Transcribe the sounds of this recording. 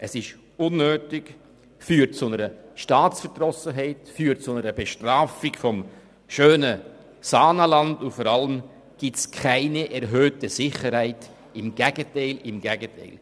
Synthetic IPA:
ʔəsɪʃ | ʊnːøːtɪk | fyːɾt̚t͡sʊnəɾəʃtɑːt͡sfəɾd̥rɔsəɦɛɪtfyːt̚t͡sʊnəɾəb̥eʃtraːfɪkfɔm | ʃøːnə | sɑːnəlɑndʊfɔɾɑləm | ɡ̥itskʰaɪniʔɛɾɦøːtəsɪχəɾhaɪt | ɪmɡ̥ɛɡətaɪlɪmɡɛɡətʰa̰ɪl

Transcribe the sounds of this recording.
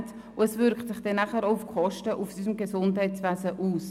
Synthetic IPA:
t | ʊɛsvʏɾktsɪχd̥ɛnːaχəɾoʊfkʰɔʃtəʔufsism̩ɡesʊndhɛɪtt͡svɛːsəʔuːs

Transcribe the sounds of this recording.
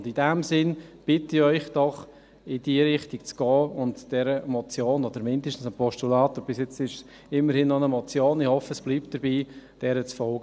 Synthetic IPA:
ndɪdɛmsɪnb̥ɪtɪœʏχd̥ɔχ | ɪdiəɾɪχtikt͡sɡ̥ɔːʊntd̥ɛɾəmɔt͡sjoːnɔd̪əɾmɪndəʃtn̩səpɔʃtulɑːtob̥ɪsjɛt͡sɪʃs | ɪmːəɾhɪnːɔnəmɔt͡sjoːnɪhɔfəsb̥liːpt̚d̥əɾbiːd̥ɛɾət͡sfɔlɡə

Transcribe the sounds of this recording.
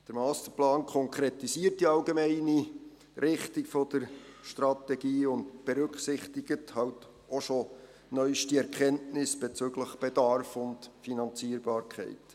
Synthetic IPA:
d̥əɾmɑːstəplɑːnkʰɔŋkʰɾetisiːərt̚d̥iɑlɡemɛɪni | ɾɪχtikfɔd̥əɾʃtɾɑtɛɡiːʊntb̥eɾʉkχsɪχtiɡ̥əthɑlt | oʃo | nœʏʃtiɛɾkʰɛntnɪsb̥et͡søɡləχb̥ed̥ɑrfʊntfinɑnt͡siːəɾbɑːɾkʰɛ̰ɪt

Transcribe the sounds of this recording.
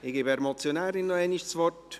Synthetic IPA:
ɪɡ̥eːbɛɾmot͡sjonaːɾɪnːoɛniʃsvɔrt

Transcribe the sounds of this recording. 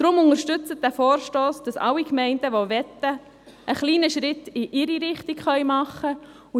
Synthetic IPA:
d̥ɾʊmʊŋəɾʃtʏt͡sət̚dæfɔːɾʃtoːsd̥ɑsɑ̰lːikmɛɪndəʋɔvɛtːə | ʔːχliːnəʃɾɪtɪʔɪɾiɾɪχtikχœʏmɑχə | ʊ

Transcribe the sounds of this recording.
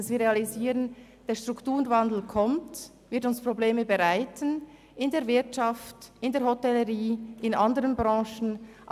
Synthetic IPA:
sviːʁeɑliziːɾən | d̥eːɐʃtʁ̥uktuːʁnvandl̩kʰɔmt | vɪɐtʊnspʁ̥obleːməbəʁaɪtən | ʔɪndeːɐvɪɐtʃɑftɪndeːɐhotɛləʁiːʔɪnɑndəʁənbʁɑ̃ːʃn̩ʔ

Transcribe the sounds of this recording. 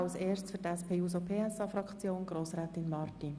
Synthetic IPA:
ɑlseːrst͡sfʏtɛspʰeːjuːs̬opʰeːɛsɑfɾɑkt͡sjoːnɡ̥ɾoːsɾæːt̪ɪnmɑːrti

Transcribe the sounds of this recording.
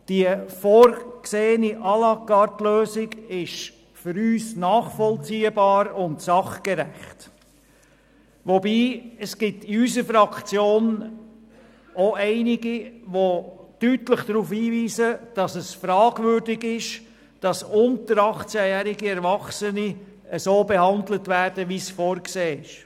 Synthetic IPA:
d̥iəfɔːɾkseːəniʔɑlɑkːɑɾtløːsɪɡɪʃ | fʏɾyːsnɑːχfɔlt͡siːəbɑːɾʊntsɑχkɛɾæχt | ʋobiːəsɡ̥ɪtɪysəfɾɑkt͡sjoːn | oɛɪnɪɡiʋod̥ytləχd̥ɾuːfhiːviːsəd̥ɑsəsfɾɑːɡvʏːɾdɪɡɪʃ | d̥ɑsʊntəɾɑχt͡sæjæːɾɪɡiɛɾvɑχsəni | əsoːbɛhɑndlətvæːɾdəʋisfɔːɾkseːɪʃ

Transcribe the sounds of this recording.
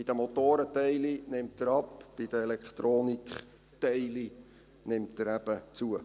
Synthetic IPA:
id̥əmot̪oːɾətɛɪlinɪmtəɾɑpb̥id̥əɛlɛkχt̪ɾoːnikχ | tɛɪli | nɪmtəɾæb̥ət͡suə

